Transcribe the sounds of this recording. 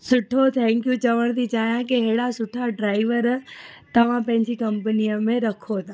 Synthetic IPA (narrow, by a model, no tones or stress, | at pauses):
sʊʈʰot̪ʰɛ̃ːŋkjũt͡ɕɐʋəɽ̃t̪ʰit͡ɕaːijãkiɦeːɽasʊʈʰaɖɾaːɪʋəɾt̪ɐʋ̤ãpɐ̃ɦɪ̃ɲd͡ʑikɐ̃mpənijəmẽɾɐkʰot̪ʰa